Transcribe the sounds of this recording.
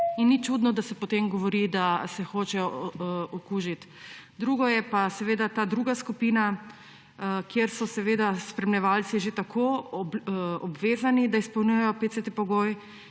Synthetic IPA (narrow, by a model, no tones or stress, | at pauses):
inːit͡ʃuːd̪nɔd̪asɛpɔt̪emɡɔʋɔɾid̪asɛxoːt͡ʃɛjɔɔkuʒit̪ | d̪ɾuːɡɔjɛpasɛʋeːd̪at̪aːd̪ɾuːɡaskupiːna | kjeɾsɔsɛʋeːd̪aspɾɛmnɛʋalt̪siʒet̪akʰo | ɔbʋeːzanid̪aispɔwnujɛjɔpet̪set̪epɔɡoj